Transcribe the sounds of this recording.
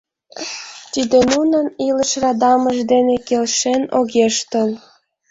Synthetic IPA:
t̪id̪enunəniləʃrɑd̪ɑməʒd̪enekelʃenoɣeʃt̪əl

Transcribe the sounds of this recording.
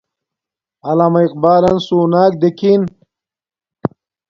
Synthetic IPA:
ɐlaːmɐiq̚baːlɐnsuːnaːk̚d̪ekin

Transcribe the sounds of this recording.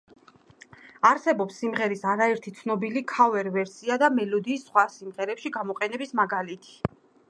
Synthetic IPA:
aɾsɛbɔpsːimʁɛɾisaɾaɛɾt̪ʰit̪sʰnɔbilikʰavɛɾvɛɾsiad̪amɛlɔd̪iːsːχwasimʁɛɾɛpʃiɡamɔqʼɛnɛbismaɡalit̪ʰi̥

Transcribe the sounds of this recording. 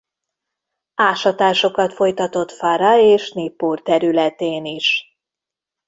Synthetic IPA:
aːʃɒt̪aːʃo̞kɒt̪fo̞jt̪ɒt̪o̞t̪faɾɒeːʃneːpːoːrt̪ɛɾylɛt̪eːniʃ

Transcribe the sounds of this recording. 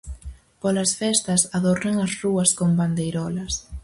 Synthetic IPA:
pɔlɐsfɛst̪ɐsaðoreŋɐzruɐskomband̪ejɾɔlɐs

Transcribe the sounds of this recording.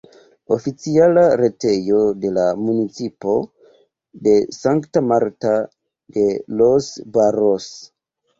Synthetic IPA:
o̞fit͡sialaɾe̞te̞jo̞de̞lamunit͡sipo̞ | de̞saŋktamaɾta | de̞losbaɾos

